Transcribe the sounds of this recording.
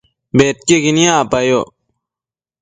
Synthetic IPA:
beːt̪̚keɡinijãːpajo

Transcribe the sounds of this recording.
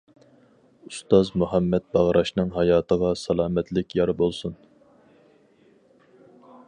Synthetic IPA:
ust̪ɑzmuɦɛmːɛt̪̚bɑʁɾʔɑʃnɨŋɦɑjɑːt̪ʰəʁɑsɑlˠɑːmɛt̪lɪkʲjɑɾbolˠsun

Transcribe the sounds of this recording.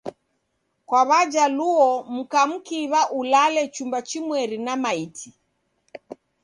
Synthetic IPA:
kwaβad͡ʒaluɔm̩kam̩kiβaʔulalɛt͡ʃumbat͡ʃimwɛɾinamaitʰi

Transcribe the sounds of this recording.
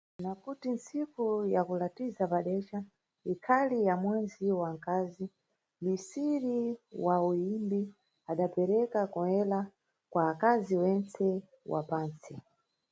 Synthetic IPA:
nakutint͡sikujakulatizapaɗɛt͡ʃa | ikʰalijamwɛnziwaŋkaːzi | misiɾiwauimbi | aɗapɛɾɛkakɔɛla | kwaːkaziwɛnt͡sɛ | wa̰paːnt͡si

